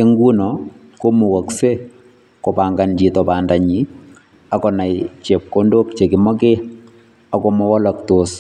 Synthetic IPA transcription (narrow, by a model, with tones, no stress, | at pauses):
e˦ŋɡu˦nɔ | ko˦mu˨wɔ˨kse˦ | kɔ˨pa˨ŋɡa˨nd͡ʒi˨tɔ˨pandaɲi˨ | a˨kɔ˨na˨jt͡ʃe˨p̚ko˦ndo˦kt͡ʃe˨kɪ˨mɔ˦ke˦ | a˦kɔ˦mɔ˦wɔ˦la˨ktos